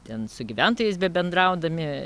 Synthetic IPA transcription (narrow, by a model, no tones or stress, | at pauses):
t̪ʲɛnsʊɡʲiʋʲɛnt̪oːjɛɪs̬bʲɛbʲɛnd̪ɾɐʊd̪ɐmʲɪ